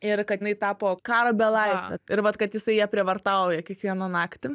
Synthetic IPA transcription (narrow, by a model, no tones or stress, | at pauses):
ɪrkɐt̪nɐɪt̪ɑːpoːkɑːɾoːbʲɛlˠɐɪsʲʋʲɛ̰ɪɾʋɐt̪kɐt̪jɪsɐɪjiɛpʲɾʲɪʋɐrt̪ɐʊjɛkʲiɛkʋʲiɛnɐnɑːkt̪ʲɪ